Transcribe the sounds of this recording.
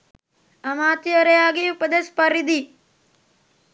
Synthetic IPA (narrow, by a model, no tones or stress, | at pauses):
ɐmaːt̪jɐɾɐjaːɡiupɐd̪espɐɾid̪i